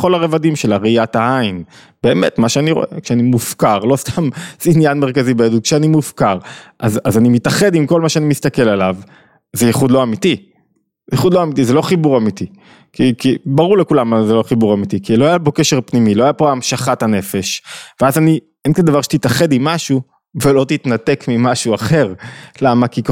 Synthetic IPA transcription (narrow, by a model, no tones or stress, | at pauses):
χo̞laʁevadimʃelaʁiat̪aain | b̥e̞ːmet̪maʃeaniʁo̞̰ʔḛkʃeanimufkaʁlo̞st̪amz̥einjanmeʁkazibejadud̪̚kʃeanimufkaʁʔazazanimit̪aχe̞dimko̞lmaʃeanimist̪ake̞lalav | zejeχud̪lo̞amit̪i | ejeχud̪lo̞amit̪̬izelo̞χibuʁamit̪i | kikibaʁuʁlekulamzelo̞χibuʁamit̪ikilo̞ajapo̞ke̞ʃeʁpnimilo̞ajapoamʃaχat̪hane̞fe̞ʃveazani | enkand̪avaʁʃe̥t̪it̪aχe̞d̪imːaʃu | velo̞t̪it̪nate̞kmimaʃuaχe̞ʁlamakik